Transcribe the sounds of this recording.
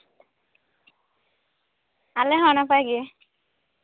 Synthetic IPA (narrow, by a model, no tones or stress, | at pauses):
alɛɦɔnapajɡɛ